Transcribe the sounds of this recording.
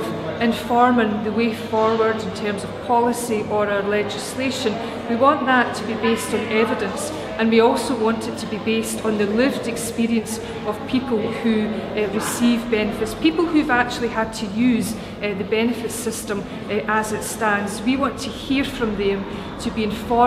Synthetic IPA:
ɪ̃ɱfɔɹmɪ̃ŋðəwefɔɹwə˞dɪ̃ntʰɜ˞mzəv̥pʰɔlˠɪsiʔə˞aʊə˞lˠɛd͡ʒɪslˠeʃə̃n | wiwɔ̃nʔðətʰəbibestn̩ɛvɪdə̃ns | ə̃nwiɔlˠsowɔ̃ntɪtʰəbibestn̩ðəlˠɪvdɛkspiɹiə̃ns | əv̥pʰipəl̩ˠhʉɹɪsivbɛnɨfɪtspʰipl̩ˠhʉəvak̚t͡ʃʉl̩ˠiəd̚tʰəjʉz | ðəbɛnɨfɪtsɪstə̃m | ʔəzɪtstãndzwiwɔ̃ntʰəhiɹfɹə̃mðə̃m | tʰəbiɪ̃nfɔ

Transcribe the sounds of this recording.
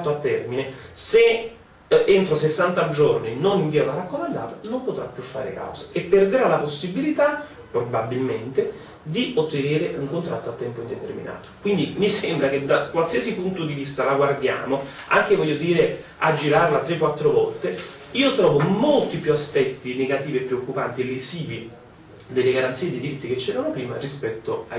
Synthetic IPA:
t̪ːoat̪ːɛrminese | ent̪ɾosesːant̪ad͡ʒorninoninviːavarːakːomand̪a̰ːt̪ḁnompot̪ɾapːjufːa̰ːɾḛka̰wzḁepːerd̪eɾalaposːibilit̪a | pɾobabːilment̪e | d̪iot̪ːeneːɾeʔuŋkont̪ɾat̪ːoat̪ːɛmpoind̪et̪ḛrmḭna̰ːt̪o̥kwind̪imisembɾak̟ed̪ːakːwalsiasipunt̪od̪ivist̪alaɡward̪ja̰ːmo | a̰ŋk̟evɔʎːod̪iːɾe | ad͡ʒːiɾarlat̪ːɾekːwat̪ːɾovɔ̰lt̪e | iːot̪ɾɔːvomolt̪ipjuaspɛt̪ːineɡat̪iːviepːɾeokːupant̪ielːisiːvi | d̪elːeɡaɾant̪siːed̪ed̪iɾit̪ːiket͡ʃːɛːɾanopɾiːmarispɛt̪ːoa

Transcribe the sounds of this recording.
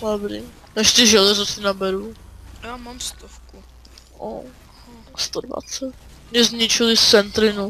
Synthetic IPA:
abɾi | nɛʃsɪʒɛlɛzasɪnabɛɾuajaːmamst̪ofku | ʔo̰ | st̪odva̰t͡sɛt̪̚ | mɲɛzɲɪt͡ʃɪlɪt͡sɛnt̪ɾɪnu

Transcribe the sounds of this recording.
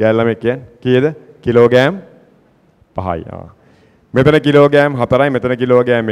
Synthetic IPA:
ɡæːlːamekːijankijəd̪əkiloːɡæːm | pa̰ɦa̰ja̰ʋ | met̪ɐnəkiloːɡæːmɦɐt̪əɾajmet̪ɐnəkiloːɡæːme

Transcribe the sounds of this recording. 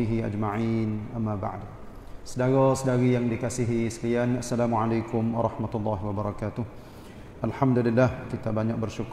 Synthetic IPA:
iɦia̰d͡ʒmaʕinʔamːaba̰ʕd | sədaɾɔsədaɾijaŋdikasiɦisəlianasːalamuʕalajkʊmwɑɾˤɑhmat̪ulːɑɦwabəɾˤɑkat̪ʊh | ʔalħamdulilːahkit̪abaɲak̚bərʃuk

